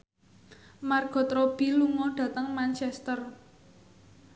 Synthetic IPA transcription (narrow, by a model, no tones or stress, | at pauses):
marɡ̥ɔ̤t̪ɾɔb̥i̤luŋɔɖ̥ä̤t̪əŋmant͡ʃɛst̪ər